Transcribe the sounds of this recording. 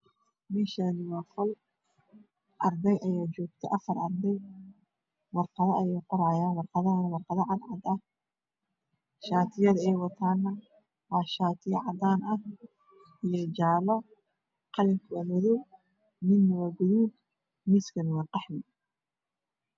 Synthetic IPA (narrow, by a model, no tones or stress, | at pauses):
mɛʃaːnɪwɑːfɔl | ʔɑrd̪ɛjʔɐjaːt͡ʃɔːɡ̚t̪ʰɛʔɐfɐrɑrd̪ɛj | wɑrqɑðɐʔɐjɛjqɔɾaːjaːnwɑrqɑðɐnwɑrqɑðɐʕɑd̪ʕɑd̪ɐh | ʃaːt̪ʰɪjɐðɛjwɑt̪ʰaːnːɐ | wɑːʃaːt̪ʰɪjɐʕɑd̪aːnɐh | ʔijɔd͡ʒaːβɐ | qɑlɪŋkʰʊɐmɔðɔw | mɪnːɐwɐɡɔjin | mɪskɐnwɑrqɑħnɪ